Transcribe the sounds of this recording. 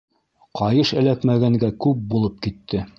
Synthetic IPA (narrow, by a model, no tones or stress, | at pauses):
qʰɑjɤʃæ̆lækmæɡæŋɡækʉp̚bulˠɤp̚kit̪ːɘ